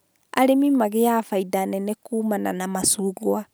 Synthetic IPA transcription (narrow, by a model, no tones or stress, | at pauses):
aɾemimaɣeafaidanɛnɛkuːmananamasuːɣwa